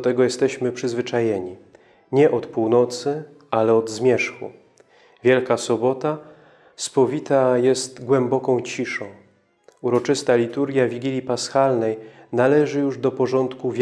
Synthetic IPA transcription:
t̪ɛɡɔjɛst̪ɛɕmɘpʂɘzvɘt͡ʂajɛɲi | ɲɛʔɔt̪puwnɔt̪sɘ | ʔalɛɔd̪zmʲjɛʂxṵ | vʲjɛlkasɔbɔt̪a | spɔvʲit̪ajɛst̪ɡwɛmbɔkɔ̃w̃t͡ɕiʂɔ̃w̃ | uɾɔt͡ʂɘst̪alʲit̪uɾɡʲjavʲiɡʲilʲjipasxalnɛjnalɛʐɘjuʐd̪ɔpɔʐɔnt̪kuvʲ

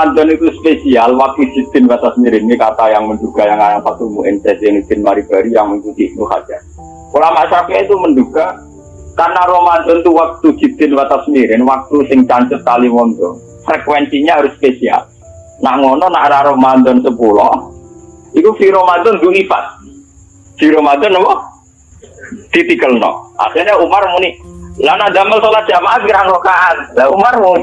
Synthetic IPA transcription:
mant̪ɔnik̪uspesialwak̚t̪ud͡ʒ̥i̤t̪ɪnbat̪asmiɾɪnikat̪ajaŋmənɖuɡ̥ajaŋaɾapat̪umbuʔɪnsɛsjɪnit̪ɪnmaɾib̥a̤ɾijaŋmiŋt̪ut̪iʔnuka̰d͡ʒ̥ar | ulamaʔʃaɾakɛit̪umənɖuɡ̥a | karnaɾɔmant̪ɔnt̪uwak̚t̪u̥d͡ʒ̥i̤b̪ɪnbat̪asmiɾɪnwak̚t̪usɪŋt͡ʃant͡ʃət̪̚kaliŋɔnd̪ɔ | fɾɛkwɛnsiɲaaɾʊsːpesia̰l | na̰ʔŋɔnɔnaʔɾaɾɔhmand̪ɔnsəpulɔ | ikufiɾomad̪ɔnd̪uʔlipa̰t̪̚ | fiɾɔmad̪ɔnɔwɔ | d̪̥it̪ikəlnɔ̰ʔa̰xirɲaumarmunilanaʔd̪aməlsolḁd͡ʒ̥amaʔafiɾaŋlokaʔannaumarmuni

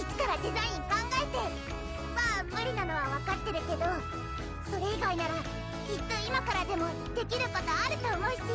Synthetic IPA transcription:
it͡ɕi̥kaɾad̪e̞zaĩɲ̟kãŋɡaet̪e̞ | mamɯɾʲinano̞βaβakat̪ːe̞ɾɯ̟ke̞d̪o̞ | so̞ɾe̞iɡainaɾa | kʲit̪ːo̞imakaɾad̪e̞mo̞ | d̪̥e̞kʲiɾɯ̟pot̪aːɾɯ̟t̪oːmo̞i̥s

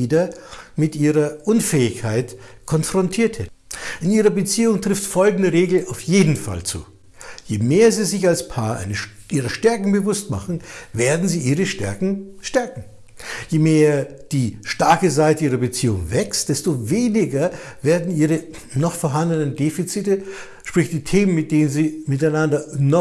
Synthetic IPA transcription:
iːdɐmɪtʔiːʁɐʔʊnfɛːɪçkʰaɪtkʰɔnfʁ̥ɔntʰiːɐthɛtn̩ʔɪniːʁɐbət͡siːʊŋtʁ̥ɪftfɔlɡŋ̩dəʁeːɡl̩aʊfjeːdn̩fa̰lt͡sṵː | jeːmeːɐziːzɪçalspʰaːɐʔa̰ɪnə | ʔiːʁɐʃtɛɐkŋ̩bəvʊstma̰χn̩veːɐdn̩ziːʔiːʁ̞əʃtɛ̰ɐkŋ̩ʃtɛɐkŋ̩ | jeːmeːɐd̥iːʃtaɐkəzaɪtəiːʁɐbət͡siːʊŋvɛkstd̥ɛstoveːnɪɡɐveːɐdn̩iːʁə | nɔχfoɐɦandənəndeːfit͡sitə | ʃpʁ̥ɪçtd̥iːtʰeːmənmɪt̚d̥eːnənziːmɪtaɪnandɐnɔ

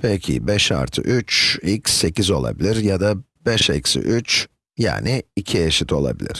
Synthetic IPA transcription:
pʰɛcʰɪ̰bɛʃa̰ɾt̪ʰɯ̰ʔyt͡ʃilʲcsːe̞cizo̞lˠa̰bilʲiɾjad̪abɛʃecsḭʔyt͡ʃ | ja̰ːnɪicʰieʃit̪ʰo̞lˠa̰bḭlʲḭɾ̥

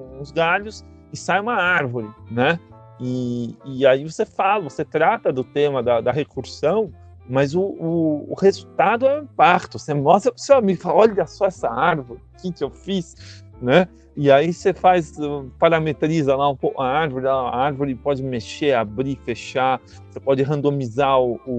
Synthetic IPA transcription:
ũʊ̃zɡaʎʊs | ɪsajũmɐaɾvoɾɪnɛ | ɪː | aivosefalɐvoset̪ɾat̪ɐd̪ʊt̪ẽmɐd̪ɐd̪ɐhekuɾsɐ̃w̃ | mɐzʊʊ̰ːhezut̪ad̪ʊɛwĩpakt̪ʊsenɔsɐsewamiɡʊfalɔʎɐsɔɛsɐaɾvoɾɪkɪkɪewfis | nɛ | ɪaisefajsɛpaɾamet̪ɾizɐlaũpowkʊaaɾvoɾɪlaa̰aɾvoɾɪpɔd͡ʒɪmeʃeabɾifeʃa | sepɔd͡ʒɪɦɐ̃d̪omizaʊʊ

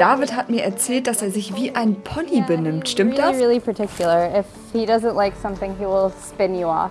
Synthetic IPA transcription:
d̥aːvɪthatmiːɐʔɛɐt͡sɛːlt̚d̥aseːɐzɪçv̥iːʔaɪnpʰɔnibənɪmtʃtɪmtd̥asɹɪlˠipʰə˞tʰɪkʰjl̩ˠə˞ɪf | hiɾʌzə̃nʔlaɪksʌ̃mθɪ̃ŋiwɪlˠspɛ̃njəɔ̰

